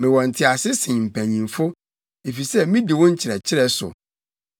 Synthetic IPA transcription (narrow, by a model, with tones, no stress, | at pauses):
mɪ̃˨wɔ̃˨n̩˨tʰɪ˦a˨sɪ˦sɪ̃˨m̩˨pʰæ̃˨ɲĩ˨mfʊ˦ | e˨fi˨sɛ˦mĩ˦di˨wʊ̃˦ɲ̩˦t͡ɕʰɪ˨ɾɛ˨t͡ɕʰɪ˦ɾɛ˦sʊ̰˨